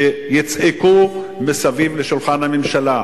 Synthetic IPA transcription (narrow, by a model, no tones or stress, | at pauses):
ejit͡siku | mesavivleʃulχanhamemʃala